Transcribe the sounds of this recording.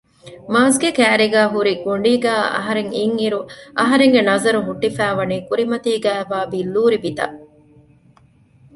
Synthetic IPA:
maːs̬ɡekæːɾiɡæːɦuɾiɡuɳ̆ɖiːɡæːɐ̰ɦɐɾeŋiŋiɾuʔɐɦɐɾeŋɡenɐzɐɾuɦuʈːifæːʋɐniːkuɾimɐt̪iːɡæːʋaːbilːuːɾibit̪ɐ̰

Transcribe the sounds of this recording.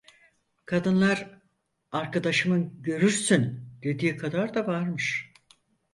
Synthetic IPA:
kʰad̪ɯnlˠaɾ | aɾkʰad̪aʃɯmɯnɟø̞ɾyɾsynd̪̥e̞d̪iːkʰad̪aɾd̪avaɾmɯʃ

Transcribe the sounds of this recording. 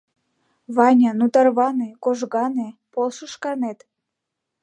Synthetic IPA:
βɑnʲɑnut̪ɑrβɑnekoʒɣɑnepolʃəʃkɑnet̪

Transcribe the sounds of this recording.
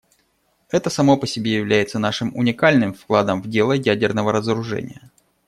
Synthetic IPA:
ɛt̪əsɐmo̞pəsʲɪbʲejɪvlʲæjɪt̪sən̪aʂɨmʊ̰nʲɪkalʲnɨmfklˠad̪əmvdʲe̞lˠəjædʲɪrnəvəɾəzəɾʊʐɛ̰nʲɪ̰jə

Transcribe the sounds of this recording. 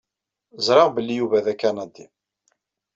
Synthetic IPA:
zɾˤɑʁbəlːijuvæðækːænɑd̪ːi

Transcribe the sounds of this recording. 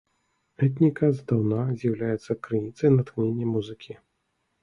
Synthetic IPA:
ɛt̪̬ʲnʲikɐzd̪awnazʲjɐwlʲajɛt̪sːɐkɾɨnʲit̪sɐjnɐt̪xnʲenʲːɛmuzɨkʲi

